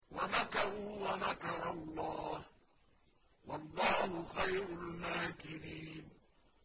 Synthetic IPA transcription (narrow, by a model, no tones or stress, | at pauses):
wanakaɾʊwanakɑɾˤɑlˤːɑːh | wɑlˤːɑːhʊxajɾʊlmaːkɪɾiːn